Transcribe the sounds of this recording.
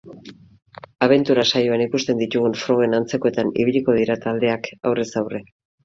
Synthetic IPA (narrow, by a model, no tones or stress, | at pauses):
aβ̞e̞nt̪uɾasajo̞anikust̪e̞nd̪it̪uɣ̞unfɾo̞ɣe̞nant͡se̞ko̞e̞t̪anḭβiʎiko̞ð̞iɾat̪ald̪e̞aka̰wre̞sawre̞